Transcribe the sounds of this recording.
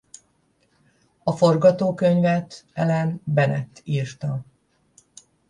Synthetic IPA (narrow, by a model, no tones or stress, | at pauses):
ɒfo̞rɡɒt̪oːkøɲvɛt̪ɛlɛnbɛnɛt̪ːiːrt̪ɒ